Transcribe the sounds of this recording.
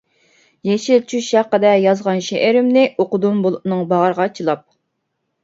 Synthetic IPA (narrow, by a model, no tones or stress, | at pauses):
jeʃilt͡ʃʰyʃæqːəd̪ɛjɑzʁɑnʃeʔɪɾɪmnɪʔoqʊd̪umbolˠunɨŋbɑʁəɾəʁɑt͡ʃʰilˠɑp̚